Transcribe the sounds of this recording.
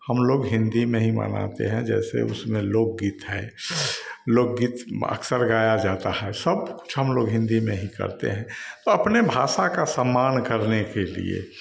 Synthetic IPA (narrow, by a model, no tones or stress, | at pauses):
həmloːɡɦɪ̃nd̪imẽɦĩmə̰na̰t̪ḛɦɛ̃d͡ʒɛ̰ːsḛʊsmẽloːɡ̚ɡiːt̪ɦɛː | loːɡ̚ɡiːt̪ʰə̰ksəɾɡaːjad͡ʒaːt̪aɦɛsəbkʊ̥t͡ʃʰɦəmloːɡɦɪ̃nd̪imẽɦikə̰ɾt̪ḛɦɛ̃t̪oəpnebʱaːʃakasəmːaːnkəɾnekelḭḛ